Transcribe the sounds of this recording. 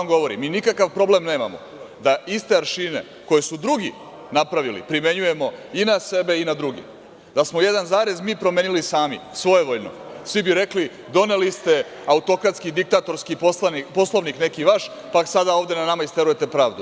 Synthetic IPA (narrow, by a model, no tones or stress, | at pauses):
mɡo̞ʋo̞ɾḭmiːnikakaʋpɾo̞blemne̞ːma̰mo̰ | d̪aist̪e̞aɾʃine̞̰ | ko̞je̞sud̪ɾuɡi | napɾaʋilḭpɾime̞ɲuje̞mo̞inase̞be̞inad̪ɾuɡḭ | d̪asmo̞je̞d̪anzaːɾe̞zmiːpɾomenilisaːmḭsʋo̞jeʋoʎno̰sʋibiɾe̞kli | d̪o̞ne̞list̪e̞ | aut̪o̞kɾat̪skid̪ik̚t̪aːt̪o̞ɾskipoapo̞slˠo̞ʋnikne̞kiʋaʃ | paksad̪ao̞ːʋd̪e̞nanamaist̪eɾuje̞t̪e̞pɾaːʋd̪u